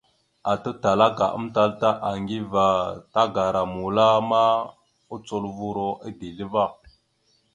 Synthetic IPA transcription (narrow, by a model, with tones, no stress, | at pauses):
a˨tə˦ta˨la˦ka̰˨ʔə̰˦mta˦lta˦ʔa˨ŋɡi˦va˨ta˦ɡa˨ɾa˨mu˨la˦ma˦ | u˦t͡so˦lvu˦ɾo˦ʔi˦di˨lə˦va˦˨